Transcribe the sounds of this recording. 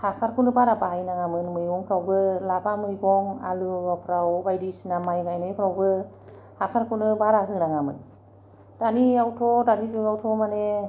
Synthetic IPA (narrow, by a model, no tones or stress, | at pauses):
hasaɾkʰunɯbaɾabaajnaŋamɯnmɯjɡɔŋkʰɾawbɯlabamɯjɡɔŋa̰luɔpʰɾawbajdisinamajɡajnapʰɾawbɯ | hasaɾkʰunɯbaɾaɦɯŋnaŋamɯ̰n | d̥aniawtʰɔdanizɯawtʰɔmane